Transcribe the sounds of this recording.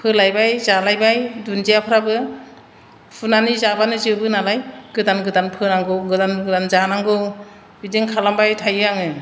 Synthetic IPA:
pʰɯlajbajzalajbajdunzijapʰɯɾabɯ | pʰunanizabanɯzɯbɯnalajɡ̥ɯdanɡɯdanpʰɯnaŋɡɯɡɯdanɡɯdanzanaŋɡɯ | bideŋkʰalambajtʰajɯaŋɯ

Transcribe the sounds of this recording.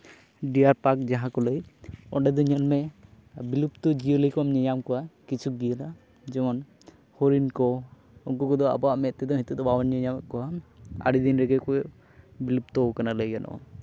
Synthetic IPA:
ɖijaɾpak̚d͡ʒaɦãkɔləjɔ̰ɖɛd̪ɔɲənmɛ | bilupt̪ɔd͡ʒiələjkɔwamɲəɲamkɔwakit͡ʃʰuɡijəla | d͡ʒɔmɔn | hɔɾinkɔ | ɔŋkɔkɔd̪ɔa̰bɔaʔmɛt̪̚t̪ɛd̪ɔɦit̪ud̪ɔbawanɲəɲamkɔwaa̰ɽid̪inɾɛɡɛkɔjʔ | bilup̚t̪ɔwkanaləjanʔɔ̰ʔɔ̰

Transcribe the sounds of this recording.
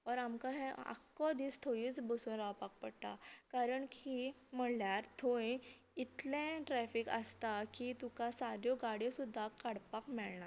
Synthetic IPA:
ɔɾamkaɦɛ̃a̰kːɔd̪iːst̪ʰoiːt͡sbəsunɾawpak̚pəɽt̪a̰kaɾəɳki | m̤əljaɾt̪ʰoj | it̪lɛ̃ʈɾɛfikə̰st̪akit̪ukasaɾjɔɡaɽjɔsud̪ʱːakaɽpakmɛɭɳaɾ

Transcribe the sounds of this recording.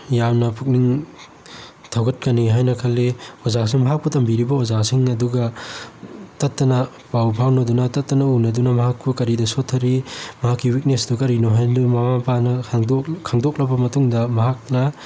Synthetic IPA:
jamnɐpʰuk̚niŋ | tʰawɡɐt̚kɐniɦajnɐkʰɐlːeozasiŋmɐɦak̚putɐmbiɾibɐozasiŋɐduɡɐ | tɐtːɐnɐ | pawpʰawnɐdunɐtɐtːɐnɐunɐdunɐmɐɦakpukɐɾidɐsotʰːɐɾimɐɦakːiwik̚nesdukɐɾinoɦajnumamapʰanɐdokʰːaŋdok̚lɐbɐmɐtuŋdɐmɐɦak̚nɐ

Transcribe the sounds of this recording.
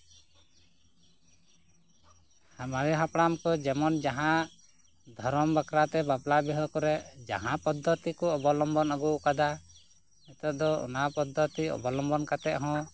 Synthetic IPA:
hamaɾɛɦapɽamkɔd͡ʒɛmɔnd͡ʒaɦãʔ | d̪ʱɔɾɔmbakɾat̪ɛbaplabɛɦɔkɔɾɛd͡ʒa̰ɦãpɔd̪ʱːɔt̪ikɔɔbɔlɔmbɔnɔɡuʔkad̪a | ɛt̪ɔd̪ɔɔ̰napɔd̪ʱːɔt̪iɔ̰bɔlɔmbɔnkat̪ɛʔ̪ɦɔ̃

